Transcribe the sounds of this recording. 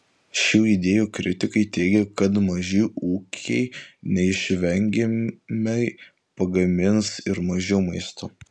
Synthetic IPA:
ʃʲuːɪd̪ʲeːjuːkɾʲʔʲɪt̪ʲɪkɐɪt̪ʲɛɪɡʲɛkɐt̪mɐʒʲɪːuːkʲʰɛɪnʲɛɪʃʲʋʲɛŋʲɡʲemʲɛɪ | pɐɡɐmʲɪnsɪɾmɐʒʲɛʊmɐɪst̪ʰoː

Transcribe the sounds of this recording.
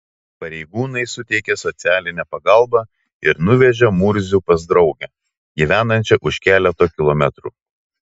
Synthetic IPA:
pɐɾʲɛɪɡuːnɐɪsʊt̪ʲɛɪkʲɛsɔt̪sʲæːlʲɪnʲɛpɐɡɐlˠbɑ | ɪɾnʊʋʲɛʒʲɛmʊɾʲzʲupɐzd̪ɾɒʊɡʲɛ | ɡʲiʋʲæːnɐnʲt͡ʃʲɛʔʊʃʲkʲæːlʲɛt̪oːkʲɪlˠɔmʲɛt̪ɾuː

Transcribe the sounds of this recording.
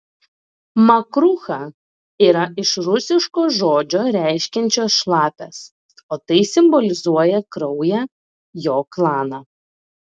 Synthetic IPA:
mɐkɾʊxɑ | iːɾɐɪʃɾʊsʲɪʃkoːʒoːd͡ʒʲoːɾʲæˑɪʃʲkʲɛnʲt͡ʃʲoːsʃlˠɑːpʲɛs | oːt̪ɐɪsʲɪmbɔlʲɪzuɔjɛkɾɔʊjæː | joːklˠɑːnɑ

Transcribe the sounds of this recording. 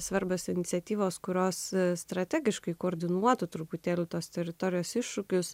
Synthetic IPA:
sʋɐɾbʲoːsɪnʲɪt̪sʲɛt̪ʲiːʋoːskʊɾʲoːsst̪ɾɐt̪ʲæːɡʲɪʃkɐɪkoːɾʲd̪ʲɪnuɔt̪ʊt̪ɾʊpʊt̪ʲeːlʲʊt̪oːst̪ʲɛɾʲɪt̪ɔɾʲɪjoːsɪʃʃʊkʲʊs

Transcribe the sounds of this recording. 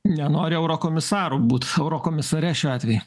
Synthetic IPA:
nʲɛnoːɾʲɪɛʊɾoːkoːmʲɪsɑːɾubuːt̪ɛʊɾokoːmʲɪsɐɾʲɛʃʲoːɑːt̪ʲʋʲɛju

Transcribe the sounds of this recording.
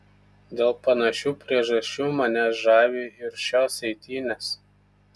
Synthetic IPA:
d̪ʲeːlˠpɐnɐʃʲuːpʲɾʲiɛʒɐsʲt͡ʃʲuːmɐnʲɛʒɑːʋʲiːɪɾʃʲoːsɛɪt̪ʲiːnʲeːs

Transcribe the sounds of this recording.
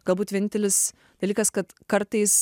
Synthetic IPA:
ɡ̥ɐlˠbuːt̪ʋʲiɛnʲɪnʲt̪ʲɛlʲɪs | d̪̥ɐlʲiːkɐskɐt̪kɐɾt̪ɐɪs

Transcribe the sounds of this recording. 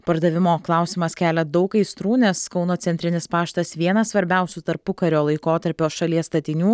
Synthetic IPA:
pɐɾd̪ɐʋʲɪmoːklˠɑˑʊsʲɪmɐskʲæːlʲɛd̪ɐʊkɐɪst̪ɾuːnʲɛskɒʊnoːt̪sʲɛnʲt̪ʲɾʲɪnʲɪspɑːʃt̪ɐsʋʲiɛnɐssʋɐɾʲbʲɛˑʊsʲut̪ɐɾpʊkɐɾʲoːlˠɐɪkoːt̪ɐɾʲpʲoːʃɐlʲiɛst̪ɐt̪ʲɪnʲuː

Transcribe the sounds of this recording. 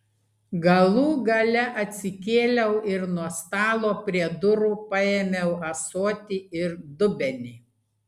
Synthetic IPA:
ɡɐlˠuːɡɐlʲɛʔɐt̪ʲsʲɪkʲeːlʲɛʊʔɪɾnuɔst̪ɑːlˠoːpʲɾʲiɛd̪ʊɾuːpɐeːmʲɛʊʔɐsoːt̪ʲiɪɾd̪ʊbʲɛnʲiː

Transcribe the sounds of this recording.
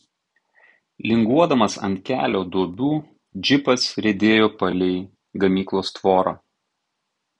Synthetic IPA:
lʲɪŋɡuɔd̪ɐmɐsɐ̰nʲt̪̚ʲkʲæ̰ːlʲoːd̪uɔbʲuː | d͡ʒʲɪpɐsɾʲɛd̪ʲeːjoːpɐlʲɛɪ | ɡɐmʲiːklˠoːst̪ʋoːɾa̰ː

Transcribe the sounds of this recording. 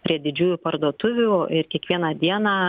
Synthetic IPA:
pʲɾʲiɛd̪ʲɪd͡ʒʲuːjʊpɐɾd̪uɔt̪ʊʋʲuɪɾkʲiɛkʋʲiɛnɐd̪ʲiɛnaː

